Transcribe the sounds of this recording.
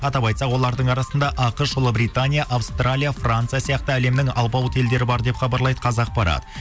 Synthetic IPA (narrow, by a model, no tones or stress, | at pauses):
ɑt̪ɑpɑjt̪sɑqwo̞lˠɑɾd̪əɴɑɾɑsənd̪ɑʔɑqəʃʒolˠəbɾijt̪anʲijaʔawst̪ralʲijafrant̪sɨijasijɑq̚t̪əæle̞mnɪŋɑlˠbɑwt̪ʰe̞ld̪e̞ɾɪbɑɾd̪e̞pχɑbɑɾlˠɑjd̪ə̥qʰɑzɑq̚bɑɾɑ̰d̪ə